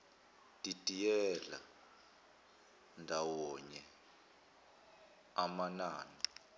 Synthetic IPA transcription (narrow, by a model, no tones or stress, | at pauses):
tʼitʼijɛla̰ | ndʱawɔɲɛ | amanaːni